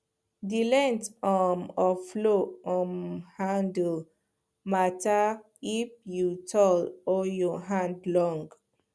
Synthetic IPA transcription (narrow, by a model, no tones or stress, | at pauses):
dilɛ̃ntɔmɔfloɔ̃mhãndl | mata | ifjutʰɔlɔjɔɦãndlɔ̃ŋɡ